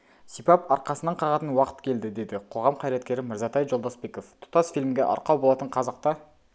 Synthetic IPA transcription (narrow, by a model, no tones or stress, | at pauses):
sipɑpɑɾqɑsənɑɴqʰɑʁɑt̪ənwɑqə̥t̪kʲʰe̞ld̪ɪd̪e̞d̪ɪqʰo̞ʁɑmqʰɑjɾet̪kʲe̞ɾɪmɪɾzɑt̪ʰɑjʒo̞lˠd̪osbe̞ko̞ft̪ʰʊ̥t̪ɑsfijlʲmɡʲḛʔɑ̰ɾqɑwbolˠɑt̪əɴqʰɑzɑq̚t̪ɑ